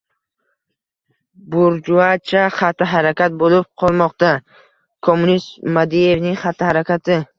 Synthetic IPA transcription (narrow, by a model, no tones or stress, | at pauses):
buɾd͡ʒuat͡ʃʰaχat̪ʰːaɦaɾakʲat̪̚bolib̚qʰɒlˠmɒqt̪a | kʰomːunist̪mad̪ije̞vniŋχat̪ʰːahaɾakʲʰat̪ʰɪ